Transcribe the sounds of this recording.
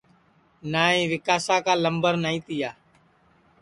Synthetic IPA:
naːĩːʋɪkaːsaːkaːləmbəɾnaːĩːt̪ɪjaː

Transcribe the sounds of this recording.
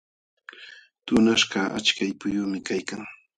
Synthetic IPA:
t̪ʊnaʃɢɑʔa̰t͡ʃkajpʊjʊmɪkajkaŋ

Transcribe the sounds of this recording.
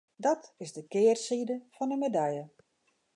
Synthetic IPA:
dɔtɪzdəkɪːrsidəfɔnəmedɛjə

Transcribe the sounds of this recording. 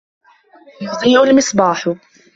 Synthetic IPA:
jʊt̪ˤiːʔʊlmɪsˤbɑːħʊ

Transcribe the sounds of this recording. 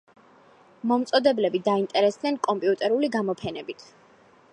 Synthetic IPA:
mɔmt̪sʼɔd̪ɛblɛbid̪aint̪ʼɛɾɛsd̪nɛnkʼɔmpʼiut̪ʼɛɾuliɡamɔpʰɛnɛbit̪ʰ

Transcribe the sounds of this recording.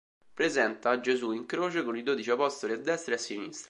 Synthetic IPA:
pɾezɛnt̪ad͡ʒezuiŋkɾoːt͡ʃekonid̪oːd̪it͡ʃiapɔst̪oliad̪ːɛst̪ɾeasːinist̪ɾ

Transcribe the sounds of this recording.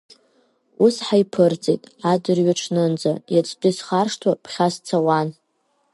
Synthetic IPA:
usħajpʰɨrd͡zʼejtʼadɨrɥaʈ͡ʂʰnɨnd͡zajat͡sʼtʼɨsχarʂtʰwapʰχʲast͡sʰawan

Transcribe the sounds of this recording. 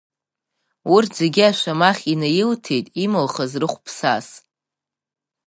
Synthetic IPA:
urʰd͡zeɡʲɪaʃʷamaχʲinajɪltʰe̞jtʼimɨlχazrɨχʷpʰsa̰s

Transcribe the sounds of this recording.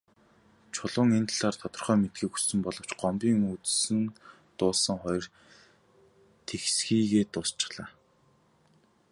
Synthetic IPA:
t͡ɕʰʊɮʊːŋent̪ʰɮaːrt̪ʰɔt̪ɞ̆rχœːmet̪̚ɡiːku̥sɘ̆mpɔɮɞ̆w̥t͡ɕɢ̥ɔmpiːŋut͡ssɘ̆n | t̪ʊːɮsə̆ŋχɔjɞ̆r | t̪ʰexsxiːɣeːt̪ʊːst͡ɕɪ̥̆χɮ̥aː

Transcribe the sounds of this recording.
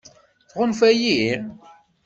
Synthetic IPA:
θʁʊnfæji

